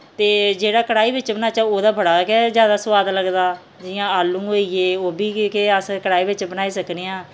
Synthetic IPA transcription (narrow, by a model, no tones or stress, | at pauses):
t̪eːd͡ʒeːɽaːkəɽaːiːbɪt͡ʃbənaːt͡ʃaːoːd̪aːbəɽaːkɛːzjaːd̪aːsʋaːd̪ləɡd̪aː | d͡ʒɪjãːaːlːũːɦoːieːoːbiːkːkeəskəɽaːiːbɪt͡ʃbənaːiːsəkneːãː